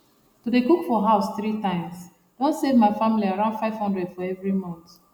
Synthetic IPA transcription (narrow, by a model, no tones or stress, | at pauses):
tudekukfɔɦaʊsθɹitãɪ̃ms | d̥ɔ̃nsevmaɪfamiliaɹãʊ̃ndfaɪv̥hɔ̃ndɹɛdfɔɛvɹimɔ̃nt̪